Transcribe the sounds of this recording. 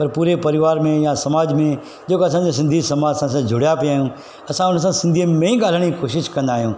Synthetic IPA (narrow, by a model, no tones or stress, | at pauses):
pɐɾpuːɾepɐɾɪʋaːɾmẽjãsɐmaːd͡ʑmẽ | d͡ʒoːkeɐs̬ãːd͡ʑas̬ɪ̃nd̪ʱisɐmaːd͡ʑsãːsãd͡ʑʱʊɽjapijaːɦjũː | ɐsãʊns̬ãsɪ̃nd̪ʱimẽĩɡaːl̤əɽ̃ikoːʃɪʃkɐ̃nd̪aːɦijũː